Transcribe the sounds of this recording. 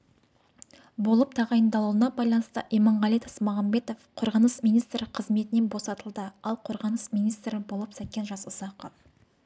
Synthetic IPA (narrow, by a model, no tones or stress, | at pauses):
bo̞lˠəp̚t̪ʰɑʁɑjənd̪ɑlˠuwənɑbɑjlˠɑnəst̪ə̰ʔimɑɴʁɑlʲˠit̪ɑsmɑʁɑmbe̞t̪ofqʰo̞ɾʁɑnəsmijnijst̪ɾɪqʰəzme̞t̪ɪne̞nbo̞sɑt̪əlˠd̪əɑlˠqʰo̞ɾʁɑnəsmijnijst̪ɾɪbo̞lˠəpsækʲːenʒɑsʊzɑqə